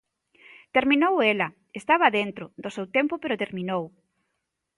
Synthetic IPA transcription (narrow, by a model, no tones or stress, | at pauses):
t̪eɾminowelɐ | est̪aβ̞aðent̪ɾoðosewt̪empopeɾot̪eɾmĩnow